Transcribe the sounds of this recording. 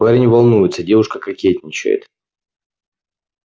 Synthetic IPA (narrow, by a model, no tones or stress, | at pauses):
vaɾʲɪnʲɪvɐlˠnujɪt̪sədʲe̞vʊʂkəkɐkʲetʲnʲɪt͡ɕɪ̰jɪ̰t̪